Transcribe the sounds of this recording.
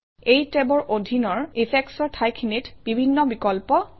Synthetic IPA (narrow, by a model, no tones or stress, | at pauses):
ejtebɔɹʔodʱinɔɹipʰɛksɔɹtʰajkʰinitb̥ibʱinːɔbikɔlpɔ